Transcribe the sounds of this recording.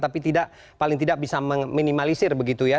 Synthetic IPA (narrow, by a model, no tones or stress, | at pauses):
t̪apit̪idaʔ | palɪŋt̪̬idak̚bisaməŋminimalisɪrbəɡit̪uja